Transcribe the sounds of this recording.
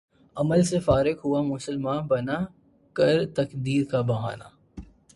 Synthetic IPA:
ɐməlsefaːɾɪkɦuamʊsəlmãːnbɐna | kɐɾt̪ɐkd̪iːɾkabɐɦa̰ːna̰

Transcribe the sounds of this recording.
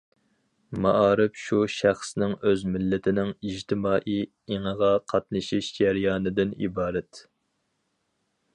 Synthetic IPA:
mɑʔɑːɾɪpʃuʃæχsnɪŋøzmɪlːɪt̪ʰɪnɪŋiʒt̪ʰɪmɑːʔi | eŋəʁɑqʰɑt̪̚nɨʃiʃd͡ʒæɾjɑːnɨd̪ɪnḭbɑːɾɛt̪

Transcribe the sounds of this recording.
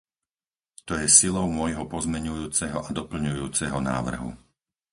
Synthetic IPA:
t̪ɔjɛsilɔʊmʊɔjɦɔpɔzmɛɲujuːt͡sɛɦɔʔad̪ɔpl̩ɲujuːt͡sɛɦɔna̰ːʋr̩ɦṵ

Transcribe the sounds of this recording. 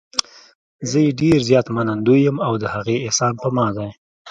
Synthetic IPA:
zəjeɖeɾzjɑt̪manand̪ujəmawd̪əhaɣeɪsɑnpəmɑd̪aj

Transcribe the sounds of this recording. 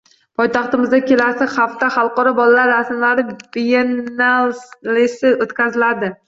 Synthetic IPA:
pʰɒjt̪ʰɑχt̪ɪmɪzd̪akʲʰe̞lasɪzχaft̪aχɑlˠqɒɾɒbɒlalaɾːasɪmlaɾɪbijenallesɪʔot̪kʲʰazɪlad̪ɪ

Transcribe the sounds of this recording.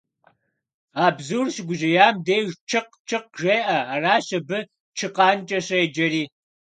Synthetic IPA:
aːbzuːrɕɪɡʷʊʒɐjaːmdeːjʒt͡ʃʰɨq | t͡ʃʰɨqʒʷeːʔɐaːraːɕɐbɨ | t͡ʃʰɨqɑːnt͡ʃʼɐɕɐjɛd͡ʒɐriː

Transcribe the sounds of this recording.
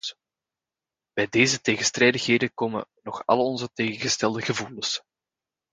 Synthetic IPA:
b̥ɛjdeːzəteːɣənstrɛːdəxɦeːdəkoːmə̰nɔxɑ̰lˠɔnzəteːɣəɣəstɛlˠdəɣəvuːləs

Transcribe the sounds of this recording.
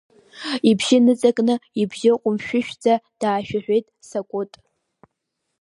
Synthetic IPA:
ibʒɪnɨt͡sʼakʼnɨibʒɪqʷʼʊmʃᶣʊʃᶣd͡zʼad̥aːʃᶣaħᶣʷe̞jtʼsakʷʼʊtʼ

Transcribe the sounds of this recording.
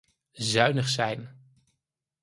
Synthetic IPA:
zœɥnəχsɛjn

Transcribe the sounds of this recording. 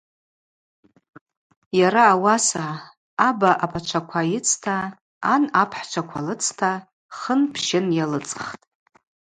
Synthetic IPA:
jaɾaːwasaː | baʔapʰʼat͡ʃʷʰakʷʰajɪt͡sʰtʰaː | napʰħt͡ʃʷʰakʷʰalɨt͡sʰtʰa | χənpʰʃɪnjalɨt͡sʼχtʼ

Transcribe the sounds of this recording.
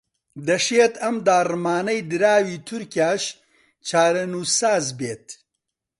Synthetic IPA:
d̪ɐʃeːt̪ɐmd̪aːrɨmaːnɐjd̪ɨɾaːwiːt̪ʰʊɾkjaːʃ | t͡ʃʰaːɾɐnuːsaːzbeːt̪̚

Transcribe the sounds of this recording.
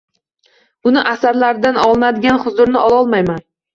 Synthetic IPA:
ʊnɪʔasaɾlaɾɪd̪anɒlˠnad̪ɪɡʲanχʊzʊɾnɪʔɒlˠɒlˠmajman

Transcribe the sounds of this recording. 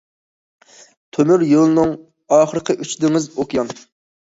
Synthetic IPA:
t̪ʰømyɾjolˠɨnɨŋ | ɑːχəɾəqʰəʔyt͡ʃd̪ɪŋɪzokʰjɑn

